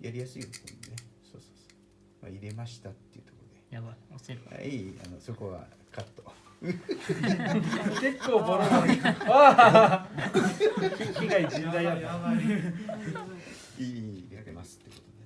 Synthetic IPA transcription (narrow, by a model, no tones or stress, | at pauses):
jaɾʲijasɨiot̪somonesoːsoːso̥ː | ma̰iɾe̞maɕi̥t̪at̪ːeiɯ̟t̪o̞koɾod̪e | ma̰iːa̰nosoko̞βa̰ | kat̪ːo | ke̞kːoːboɾoa | çiɡaid͡ʑĩnd̪aiat̪ːa | iːt̪emasɨ̥t̪ːeko̞t̪od̪e